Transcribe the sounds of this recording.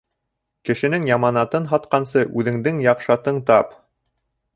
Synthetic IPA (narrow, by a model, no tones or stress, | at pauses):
kɘ̆ʃɘ̆nɘŋjɑmɑnɑt̪ɤnɦɑt̪̚qɑnsɤʔʉðɘ̆ŋd̪ɘŋjɑqʃɑt̪ɤɴt̪ɑp